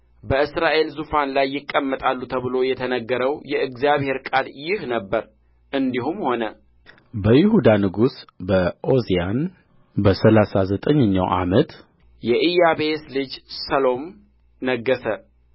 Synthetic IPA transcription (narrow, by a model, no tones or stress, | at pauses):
bəɨsɾaʔe̞lzufanlajːɪkʼːəmːət̪ʼalːut̪ʰəβɨlo̞jɛt̪ʰənəɡːəɾəwjɛʔɨɡzijaβhe̞ɾkʼaljɪhnəbːəɾ | ʔɨnd̪iɦumho̞nə | bəjɪhud̪anɨɡusbəʔo̞zijan | bəsəlasazət̪ʼəɲːəɲːa̰wʔa̰mət̪ | jɛʔijaβeslɨd͡ʒsəlo̞m | nəɡːəsə